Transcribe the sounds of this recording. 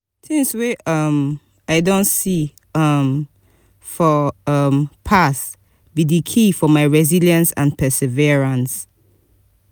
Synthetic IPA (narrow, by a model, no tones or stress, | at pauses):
tʰĩŋswɛʔʌm | aɪdõntsi | ʌm | fɔʌmpʰas | bidikʰifɔmaɪɹɛziljãnsã̰npʰɛsɛvɛɹãns